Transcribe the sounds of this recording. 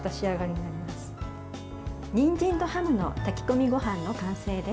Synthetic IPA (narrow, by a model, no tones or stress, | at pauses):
t̪aɕiaɡaɾʲiɲinaɾʲimasɨ̥ | ɲ̟ĩɲd͡ʑĩnt̪o̞hamɯ̟no̞̰t̪akʲi̥ko̞mʲiɡo̞ɦãnːo̞kãɰ̃se̞ːd̪e̞